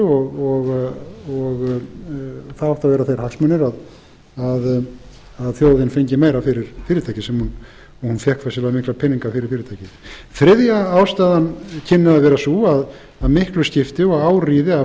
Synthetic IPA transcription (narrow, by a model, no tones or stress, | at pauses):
ɔɣɔɣɔɣ | θaðɔht̪avɛːɾaθejɾ̥haksmœnːɪɾað | að | aðθjoːwðɪnfejɲcɪmeːjɾafɪɾɪɾ̥fɪːɾɪt̪ʰaːjcɪsɛmhun | ɔhunfjɛhkfasɪlamɪhklapʰɪnːiŋkafɪɾɪɾ̥fɪːɾɪt̪ʰajcɪθɾɪðjaaːwst̪aːðancʰɪnːɪðaðvɛːɾasuað | aðmɪhklʏscɪft̪ɪɔɣaːwriːðɪa